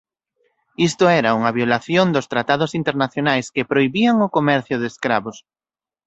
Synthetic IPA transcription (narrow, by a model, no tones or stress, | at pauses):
ist̪oɛɾauŋɐβjolaθjond̪ʊst̪ɾat̪aðʊsint̪eɾnaθjonajskepɾoiβiaŋʊkomɛɾθjʊðeskɾaβos